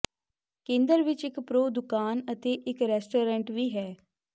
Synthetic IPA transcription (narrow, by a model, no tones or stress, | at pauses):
kẽːnd̪əɾʋɪt͡ʃɪkpɾoːd̪ʊkaːnət̪eːʔɪkɾɛːsʈoːɾɛ̃ɳʈʋiːɦɛː